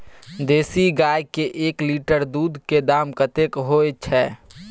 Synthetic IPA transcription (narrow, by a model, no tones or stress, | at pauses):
d̪eːsiɡajkeʔeːkliʈəɾd̪uːd̪ʱked̪aːmkət̪ekɦoet͡ʃʰɛ